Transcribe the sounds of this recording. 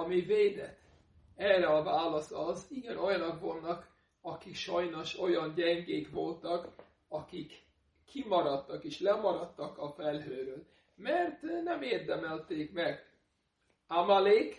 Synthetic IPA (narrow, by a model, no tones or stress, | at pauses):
ɒmiveːd̪ɛ̰t̪ | ɛrɛɒvaːlɒsɒziɡɛno̞jɒnɒkʋo̞lnɒk | ɒkikʃɒjno̞ʃo̞jɒnɟɛŋɡeːkʋo̞lt̪ɒk | ɒkikː | imɒɾɒt̪ːɒkeːʃlɛmɒɾɒt̪ːɒkɒfɛlɦøːɾøːl | mɛrt̪nɛmeːrd̪ɛmɛlt̪eːkmɛɡ | amaleːk